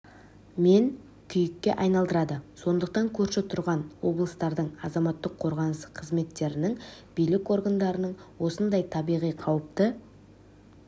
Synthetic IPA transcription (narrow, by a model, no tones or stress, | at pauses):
me̞n | kʲʰʏjɪkʲːe̞̰ʔɑjnɑlˠd̪əɾɑd̪əso̞nd̪əq̚t̪ɑŋkʲʰɵɾʃet̪ʰʊɾʁɑnwo̞blˠəst̪ɑɾd̪əɴɑzɑmɑt̪ːəqʰːo̞ɾʁɑnəsqʰəzme̞t̪ːe̞ɾɪnɪŋbijlɪko̞ɾɡand̪ɑɾənəɴwo̞sənd̪ɑjt̪ʰɑbijʁijqʰɑwəp̚t̪ə